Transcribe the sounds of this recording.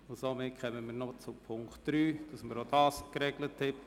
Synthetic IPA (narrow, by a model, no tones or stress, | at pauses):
ʊsomɪtkʰœmənmiːɾnɔt͡supʰʊŋktd̥ɾyːd̥ɑsməɾod̥ɑːskɾɛɡləthɛp